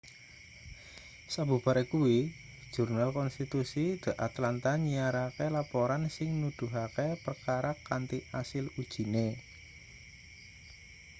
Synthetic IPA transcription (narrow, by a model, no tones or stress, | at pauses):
sabṳb̥aɾekuwi̥ | ʒ̥ṳrnalkɔnst̪it̪usid̪̥a̤ʔat̪lant̪aɲiaɾakelapɔɾansɪŋnud̪̥ṳɦakepərkaɾakant̪iʔasɪlud̥ʒ̥i̤ne